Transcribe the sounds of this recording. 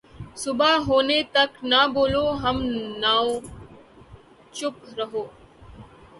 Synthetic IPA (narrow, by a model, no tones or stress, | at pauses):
sʊbaɦoːnet̪ɐknaboːloːɦɐmnaːõ | t͡ʃʊpɾɐɦoː